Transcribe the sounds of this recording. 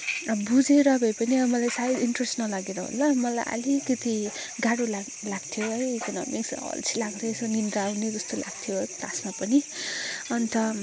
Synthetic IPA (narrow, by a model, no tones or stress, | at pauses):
bud͡zeɾʌbʱʌjpʌniʌmʌlajsaiiɳʈresʈnʌlaɡeɾʌɦo̰lːʌmʌla̰jʔʌ̰likʌt̪i | ɡaɽola | laɡt̪ʰjoʌjekʌnʌ̰miksʌ̰lt͡sʰilaɡd̪ʌt͡sʰʌnind̪aːwned͡zʌst̪ola̰ɡ̚t̪ʰijot̪asmapʌni | ʌnt̪ʌ